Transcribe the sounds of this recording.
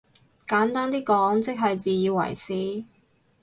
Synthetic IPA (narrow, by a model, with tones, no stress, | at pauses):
kaː˨˥nt̪aː˥nt̪iː˥kɔː˨˥ŋt͡sɪ˥k̚ɦɐ˨jt͡siː˨jiː˧wɐ̰˨˩jsiː˨˥